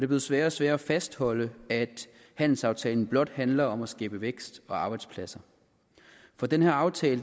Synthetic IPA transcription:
d̥e̝b̥le̝ðˠsʋæɐ̰̥æsʋæɐdæfæsd̥hɒ̽l̰əæd̥ | hæn̰l̩sɑ̈ʊt͡sʰɛːln̩b̥lɒ̽d̥hænlɐɒ̽mæsɡ̥ɛːb̥əʋeɡ̥sd̥ɒ̽ɑ̈ːb̥ɑ̈ɪd̥spʰlæsɐ | fɒ̽d̥enhæɐɑ̈ʊt͡sʰɛːlə

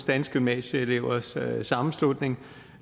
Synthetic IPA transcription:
sd̥ænsɡ̥ymnɛ̰ɕəele̝ʊɐssɑ̈mm̩slud̥ne̝ŋ

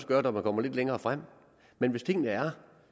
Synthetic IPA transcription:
səɡ̥ɶːɐd̥ɒmænkʰɒ̽m̰ɐle̝d̥leŋɐːfʁam̰ | menʋe̝st͡sʰe̝ŋ̰nəæɐ

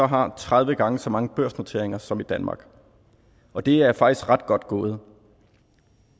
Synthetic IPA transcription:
ɒ̽ɦɑ̈t͡sʰʁaðˠʋəɡ̥ɑ̈ŋəsɒ̽mɑ̈ŋəb̥øɐ̰snot͡sʰe̝ɐeŋɐsɒ̽mid̥ænmɑ̈ːɡ̥ | ɒ̽d̥e̝æɐfɑ̈ɡ̥isɡ̥ʁɑ̈d̥ɡ̥ɒ̽d̥̚ɡ̥oːð̞̩ˠ

